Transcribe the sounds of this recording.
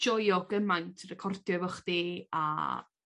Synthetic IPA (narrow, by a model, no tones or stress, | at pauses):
d͡ʒɔjɔɡəmajntʰrɛkʰɔrdjɔvɔχdia̰